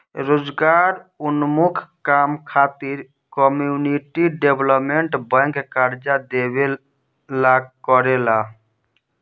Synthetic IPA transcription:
ɾod͡ʒɡaɾunmukʰkamkʰat̪iɾ | kɔmuniʈiɖebʱlɔpmeɳʈbə̃ŋkkaɾd͡ʒad̪ebe | lakɔɾela

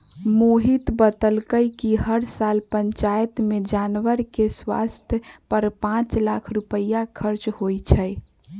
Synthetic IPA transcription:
moɦit̪bət̪əlkəjkiɦəɾsalpəɲt͡ʃajt̪med͡ʒanʋəɾkeswa̰st̪ʰjəpəɾpãt͡ʃlakʰɾupəjakʰəɾt͡ʃhojt͡ʃʰəj

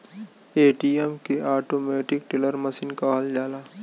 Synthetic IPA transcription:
eːʈiɛmkeʔaːʈoːmeːʈɪk̚ʈɪləɾmɐsiːnkaɦɐld͡ʒaːlaː

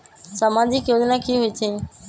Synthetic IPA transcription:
səmaːd͡ʑɪkjoːd͡ʒnakʰiɦʊit̪ʰeː

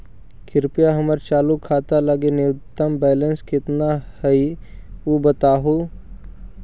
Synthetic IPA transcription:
kʰɪɾpijaɦɐməɾt͡ʃaːlukʰːaːt̪aləɡenɪʊt̪ːəmbɛːlənskɪt̪nahɐiubət̪aːɦo

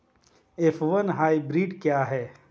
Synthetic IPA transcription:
ɪfʋɐnɦaːibɾiːɖkjaːɦɛː

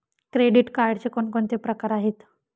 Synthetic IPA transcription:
kɾeɽiʈkaɾɽt͡ɕekoɳkoɳt̪epɾəkaɾaɦet̪

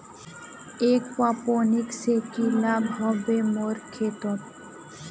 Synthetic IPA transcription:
ekpaponiksekilabɦɔbemoɾkʰet̪ot̪

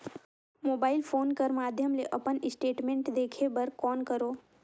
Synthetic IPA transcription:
moːbaːɪlpʰoːnkəɾmaːd̪ʱjəmleʔɐpənɪsʈeːʈmẽːɳʈd̪eːkʰebəɾkɔːnkəɾoː

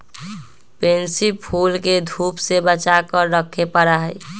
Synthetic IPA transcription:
pensipʰulked̪ʱupsebət͡ʃakəɾɾəkʰːepəɾaɦəj

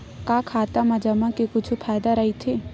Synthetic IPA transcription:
kaːkʰaːt̪amad͡ʒamãkekʊt͡ʃʰupʰaːjd̪aɾɐɦit̪ʰeː

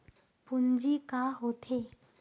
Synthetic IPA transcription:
pund͡ʒikaɦot̪ʰe

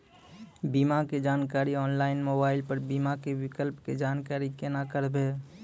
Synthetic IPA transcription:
biːmaked͡ʒaːnkaːɾiɔːnlaːɪnmoːbaːɪlpəɾbiːmakewɪkəlpked͡ʒaːnkaːɾikenakəɾbeː

